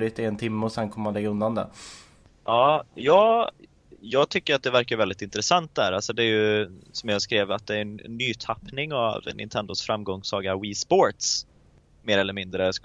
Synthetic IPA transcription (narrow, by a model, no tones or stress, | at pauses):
ɾɪt̪ɪent̪ʰɪmːəɔsɛnkʰɔmːəmanlɛɡːaɵnd̪and̪ɛ̰ | ʔɑːjɑːɡ | jɑːɡt̪ʰʏkːəɾat̪̚d̪ɛvæɾkajɾvɛld̪ɪt̪ɪnt̪ɾɛsant̪̚d̪æ̰ːɾalsɔd̪ɛæjɵsɔmjɑːskɾeːvat̪̚d̪ɛæɾnːyːt̪ʰapnɪŋa̰vnʔɪ̰nt̪ʰɛnd̪ʊsfɾamːɡɔŋsɑːɡaɾwiːspoːɾt̪s | meːɾɛlːəɾmɪnd̪ɾəs